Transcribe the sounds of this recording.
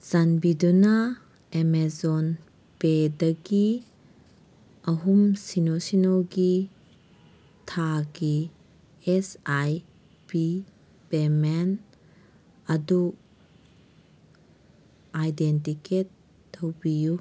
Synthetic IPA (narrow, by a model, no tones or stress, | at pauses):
zanbiduna | emezɔn | pedɐɡi | ɐɦumsinosinɔɡi | tʰaɡi | esaj | pi | pemen | ɐdu | ajdentiket̚ː | ɐwbiju